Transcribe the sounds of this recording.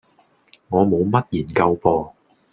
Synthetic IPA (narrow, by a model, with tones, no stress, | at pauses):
ŋɔː˨˧mo˨˧wmɐ˥t̚jiː˨˩nkɐ˧wpɔː˧